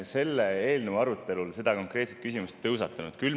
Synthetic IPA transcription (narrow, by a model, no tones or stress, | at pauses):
se̞lːee̞ːlneʋɑɾut̪ːˑe̞lulse̞d̪̥ɑko̞ŋkre̞ːt̪set̪̚kys̬ʲimust̪ːɤwsɑt̪ːˑɑnud̪̥kyl